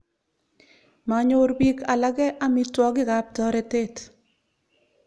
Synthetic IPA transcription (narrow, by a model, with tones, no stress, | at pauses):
ma˨ɲo˦ɾbi˦kʰa˨la˦ɡɛ˦ʔa˦mi˦twɔ˦ɡɪ˦ɡa˦p̚tɔ˦ɾɛ˨te˦t